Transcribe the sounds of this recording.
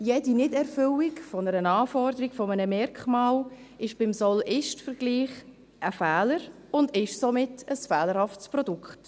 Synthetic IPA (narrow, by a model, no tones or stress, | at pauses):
jɛdinɪdɛɾfʏlikfɔnəɾənɑːfɔɾdəɾiɡ̥fɔmənəmɛɾkχmɑːl | ɪʃb̥ɪmsɔlɪʃtfəɾɡ̥liːχ | ʔəfɛːləɾ | ʊndɪʃsomɪtəsfɛːləɾhɑftspɾɔdʊkχt